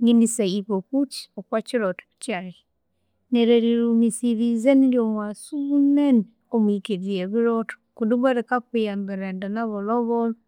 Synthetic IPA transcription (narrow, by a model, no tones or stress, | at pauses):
ŋinisaiβokut͡ʃi̥okwat͡ʃiɾɔtkt͡ʃaɾi | neɾeɾiɾumisiɾizeniɾjomwasuunɛn | omikiɾieβiɾɔto̥kuduβaɾekakwijambiɾɛndanaβɔlɔβɔl